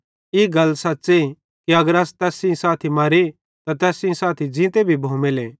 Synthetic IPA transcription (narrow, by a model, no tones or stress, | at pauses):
iːɡɐlsɐːse | kiɐɡəɾaːst̪ɛːsĩsaːt̪ʰimaɾi | t̪ãt̪ɛːsĩsaːt̪ʰid͡ʒɪ̃ːt̪ebʱibʱõːmeleː